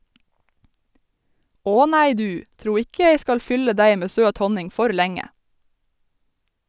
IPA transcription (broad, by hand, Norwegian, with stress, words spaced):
ˈoː ˈnæɪ ˈdʉː ˈtɾuː ˈɪkə ˈjeɪ ˈskɑl ˈfʏlə ˈdæɪ ˈmeː ˈsøːt ˈhɔnɪŋ ˈfɔɾ ˈlæŋə